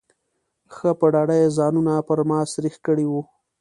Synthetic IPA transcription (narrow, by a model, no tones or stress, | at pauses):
xəpəɖɑɖajezɑnunapəɾmɑsɾixkəɽiwu